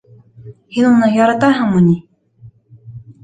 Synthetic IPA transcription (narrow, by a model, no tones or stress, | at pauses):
hinunɤjɑɾɑt̪ɑɦɤɴmuni